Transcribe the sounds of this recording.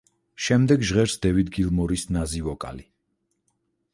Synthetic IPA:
ʃɛmd̪ɛɡʒʁɛɾsd̪ɛvid̪ɡilˠmɔɾisnazivɔkʼa̰li

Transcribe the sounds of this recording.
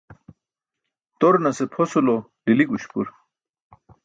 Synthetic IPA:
t̪oɾnɐsepʰosulo | liliɡuɕpṵɾ

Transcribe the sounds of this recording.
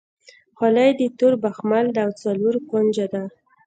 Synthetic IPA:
xɑlajd̪ət̪uɾbaxmald̪awt͡saluɾkond͡ʒad̪a

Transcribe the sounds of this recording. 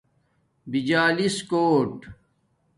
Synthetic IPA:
bid͡ʑaːliskoːʈ

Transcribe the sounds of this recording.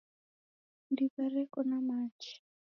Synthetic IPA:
ndiβaɾɛkɔnamat͡ʃi̥

